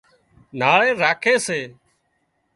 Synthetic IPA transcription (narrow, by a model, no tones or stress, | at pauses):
naːɭeːɾaːkʰeːseː